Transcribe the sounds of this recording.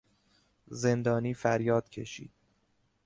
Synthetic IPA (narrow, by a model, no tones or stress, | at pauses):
ze̞nd̪ɒːniːfæɾjɒːd̪̥̚cʲʰeʃḭːd̪̥̚